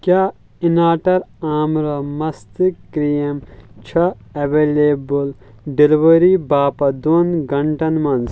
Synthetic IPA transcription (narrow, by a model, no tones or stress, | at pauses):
kjaː | inaːʈɐɾaːmɾɐmɐst̪ikɾijɐmt͡ʃʰɐ | ɐʋeːleːbul | ɖiliʋɐɾibaːpɐd̪oːnɡɐɳʈɐnmɐnz